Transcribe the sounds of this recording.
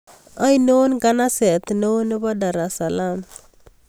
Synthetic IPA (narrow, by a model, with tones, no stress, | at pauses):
a˦jno˦nɡa˦na˦sɛ˨t̪no˦nɪ˦ba˦da˨ɾa˨sa˨lam